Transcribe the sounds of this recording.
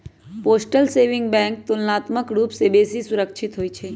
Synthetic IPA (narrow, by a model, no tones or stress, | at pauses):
poːsʈəlseʋɪ̃ŋɡbɛ̃ŋk̚t̪ulnaːt̪məkɾuːpsebeːsisʊɾəkʃʰɪt̪ɦoit͡ʃʰe